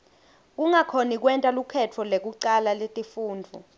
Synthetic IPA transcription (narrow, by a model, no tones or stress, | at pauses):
k̬uŋakʰonik̬wɛntʼalukʰɛtʰɔlek̬uǀalaletʼifuːndʱṵ